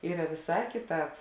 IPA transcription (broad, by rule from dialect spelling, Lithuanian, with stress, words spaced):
ˈiːrɐ ʋʲɪˈsɑː kʲɪˈtɑːp